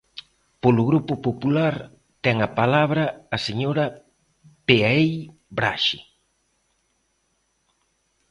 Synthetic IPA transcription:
polʊɣɾupʊpopulaɾ | t̪ɛŋɐpalaβ̞ɾɐːseɲoɾɐ | peaej | bɾa̰ʃi

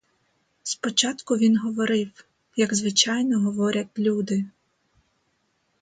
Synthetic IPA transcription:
spɔt͡ʃɑt̪kʊʋʲinɦɔʋɔɾɪw | jɐɡzʋɪt͡ʃɑjnɔɦɔʋɔɾʲɐt̪ʲlʲud̪ɪ

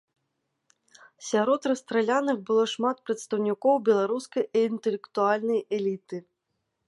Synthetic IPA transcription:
sʲaɾɔt̪rɐst̪ɾɛlʲanɨxbɨlˠɔʂmat̪̚pɾɐt̪st̪ɐwnʲikɔwbʲɛlˠaɾuskɐjiːnt̪ɛlʲɛkt̪ualʲnɐjɛlʲit̪ɨ

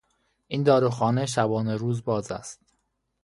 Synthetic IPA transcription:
ʔiːnd̪ɒːɾuxɒːne̞ʃ̬æbɒːneɾuːzbɒːzæ̰st̪

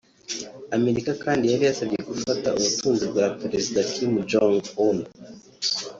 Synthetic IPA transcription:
ame̞ɾikakaːndijaɾijasaβije̞ɡufata̰uβutʰuːnzib̚ɡapɾe̞zidakʰimd͡ʒoŋɡun

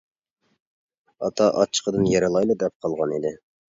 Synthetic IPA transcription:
ɑ̰t̪ʰɑʔɑ̰t͡ʃʰːə̥qʰəd̪ɨnjɛɾɨlˠɑjlˠɨd̪ɛp̚qʰɑlˠʁɑnid̪ɪ

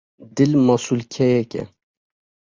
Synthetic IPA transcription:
d̪ɪlmɑsulkʲʰɛjɛkʲɛ̰

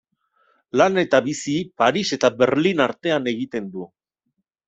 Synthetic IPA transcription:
lane̞t̪aβisipaɾise̞t̪abe̞ɾlinaɾt̪e̞ane̞ɣit̪e̞nd̪u

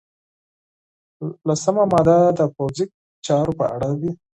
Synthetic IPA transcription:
lasəmamɑd̪ad̪əpowzi | t͡ʃɑɾopə̰ʔa̰ɽawi

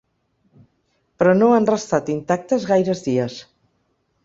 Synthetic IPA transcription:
pɾɔnoanrəst̪at̪int̪ak̚t̪əzɣajɾəzðiəs

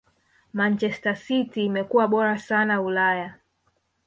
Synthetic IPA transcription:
mant͡ʃɛstasitiːmɛkuwaɓɔɾasanaulaja

